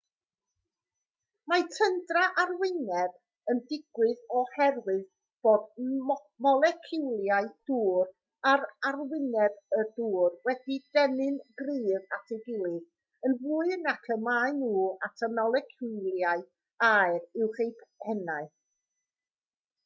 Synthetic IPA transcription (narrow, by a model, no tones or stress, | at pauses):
majtʰəndraʔarwɪnɛb | əndɪɡwɨðɔhɛrwɨð | b̥oːd̚ | mɔlˠɛkʰɪwlˠjaɨd̥uːr | aɾarwɪnɛbəduːrwɛdidɛnɨnɡriːðatʰɛɡɪlˠɨð | ənvuːɨnakʰəmaɨnuːatʰəmɔlˠɛkʰulˠjaɨ | aɨrɪwχejpʰɛnaɨ